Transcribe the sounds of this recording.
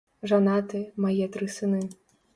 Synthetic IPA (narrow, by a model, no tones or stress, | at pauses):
ʐanat̪ɨmajɛt̪ɾɨsɨnɨ